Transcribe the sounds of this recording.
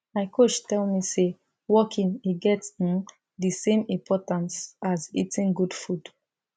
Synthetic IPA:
maɪkʰot͡ʃtɛlmise | wɔkʰĩniɡɛtsĩn | disẽmĩmpʰɔtãnsazḭtʰĩnɡud̥fud̥

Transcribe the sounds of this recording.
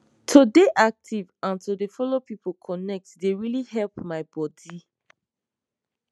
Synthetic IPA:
tʰodeʔak̚tʰivãntodefɔlopipʰokʰɔnɛk̚tdeɹilihɛlpmaɪbɔdi

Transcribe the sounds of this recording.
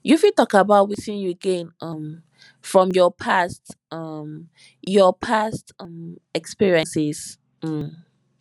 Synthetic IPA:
jufitɔkabaʊt̚wisĩnjuəɡẽnʌ̃m | fɹɔ̃mjɔpʰast | ʌm | jɔpʰastʌ̃mɛkspiɹiə̃nsɪz | m̩

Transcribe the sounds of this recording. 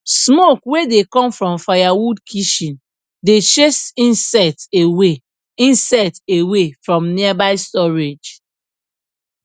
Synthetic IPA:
smokwedekɔ̃mfɹɔ̃mfajawudkʰiʃĩn | det͡ʃesĩnsɛtewe | ĩnsatewefɹɔ̃mniabaɪstɔɹed͡ʒ

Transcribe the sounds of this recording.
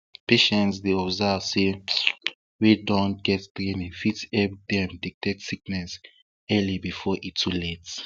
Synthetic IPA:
pʰeʃɛ̃ntsdeɔbzɛvse | widɔ̃ntɡ̥ɛtdɹĩnɛ̃fitɛb̚dɛ̃mdik̚tʰɛtsik̚nɛs | ɛlibifɔʔitʰːulɛts

